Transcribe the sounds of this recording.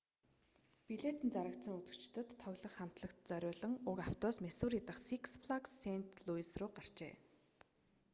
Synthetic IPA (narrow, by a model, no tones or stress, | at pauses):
piɮet̪ɘ̆nt͡saɾə̆k̚t̪sə̆ŋut͡s̪ɵ̆kt͡ɕ̆t̪ɵ̆t̪ʰːœɣʲɮə̆χːam̥t̪ɮə̆kt̪t͡sœɾʲʊːɮə̆ŋʊkaw̥t̪ɔːsmesuːrit̪ə̆χsikspɮaksen̥t̪ɮuisrʊːɢar̥t͡ɕḛː